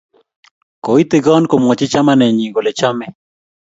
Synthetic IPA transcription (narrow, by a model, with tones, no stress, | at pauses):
ko˨i˦t̪ɪ˨ɡɔ˦nko˨mɔ˨t͡ʃɪ˦t͡ʃa˦ma˦nɛ˨ɲi˨ɡo˨le˨t͡ʃa˦mɛ˨